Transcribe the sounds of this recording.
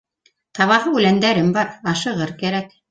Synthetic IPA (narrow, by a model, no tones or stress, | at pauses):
t̪ɑβɑhɤʉlænd̪æɾɘmbɑɾɑʃɤ̆ʁɤɾkæɾæk